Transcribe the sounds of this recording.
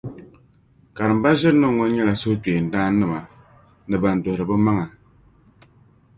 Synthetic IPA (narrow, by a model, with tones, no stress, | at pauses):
ka˨ɾɨ˨m̩˦ba˦ʒɪ˦ɾɨ˦nɨ˦ŋːɔ˦ɲɛ˦la˨so˦k͡peː˨n̩˨daː˦nɨ˦ma˨ | nɨ˨ba˨n˨do˨hɾɨ˨bɨ˦ma˦ŋa˨